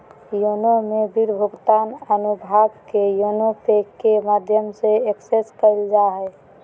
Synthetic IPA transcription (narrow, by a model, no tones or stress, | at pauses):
jonomebiɾbʱuɡt̪anənubʱaɡkejonopekːemad̪ʱjəmseekseskəɪld͡ʒaɦɛ